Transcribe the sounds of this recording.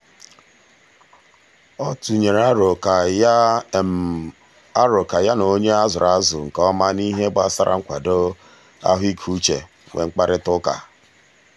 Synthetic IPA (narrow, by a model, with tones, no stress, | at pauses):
ɔ˦tu˨ɲe˨ɾa˦ɾʊ˨ka˨˦ | a˦ɾʊ˨ka˨ja˦no˨˦ɲe˦a˦zʊ˨ɾa˦zʊ˨ŋ̩˨kɔ˦ma˦ni˦ɦe˦bʊ˨˦a˦sa˦ɾʔa̰˦ŋ̩˦kʷa̰˨do˦ | a̰˦ɦi˦kʰu˦t͡ʃḛ˨ | wḛ˨ŋ͡m̩˦k͡pa˦ɾɪ˦tʊ˦ka̰˨